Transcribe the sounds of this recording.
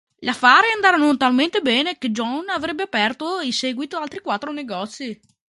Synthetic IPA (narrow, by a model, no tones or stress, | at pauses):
ʎafːaːɾiand̪aːɾonot̪alment̪ebɛːneked͡ʒɔnavɾɛbːeapɛrt̪oilsɛːɡwit̪oalt̪ɾikwat̪ːɾoneɡɔt̪sːi